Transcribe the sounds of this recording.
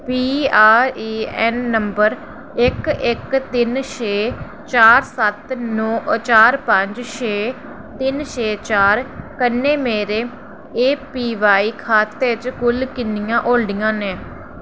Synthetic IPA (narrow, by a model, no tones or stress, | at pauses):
piːaːɾiːɛːnːəmbəɾ | ɪkɪkt̪ɪnʃeː | t͡ʃaːɾsət̪nɔːt͡ʃaːɾpəɲd͡ʒʃeː | t̪ɪnʃeːt͡ʃaːɾkənːeːmeːɾeː | eːpiːʋaːiːkʰaːt̪eːt͡ʃkʊlkɪnɪjãːʔoːlɖɪjãːneː